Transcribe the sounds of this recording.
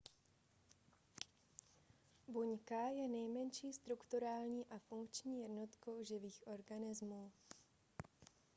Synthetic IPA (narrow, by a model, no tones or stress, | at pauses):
buɲkajɛnɛjmɛnʃiːst̪ɾukt̪uɾaːlɲiːʔafuŋkt͡ʃɲiːjɛdnot̪ko̞wʒɪviːxʔo̞ɾɡanɪzmuː